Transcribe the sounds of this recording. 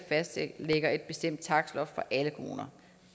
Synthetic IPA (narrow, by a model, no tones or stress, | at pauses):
fæsd̥se̥leɡ̥ɐe̝d̥̚b̥e̝sd̥em̰d̥̚t͡sʰɑ̈ɡ̥slɒ̽ffɒ̽ʔæləkʰʁo̝ːnɐ